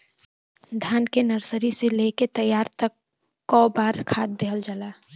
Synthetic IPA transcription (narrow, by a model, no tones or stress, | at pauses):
d̪ʱjaːnkenəɾsəɾiseleket̪əjaːɾt̪əkː | ɔbaːɾkʰaːt̪̚d̪eɦəld͡ʒalaː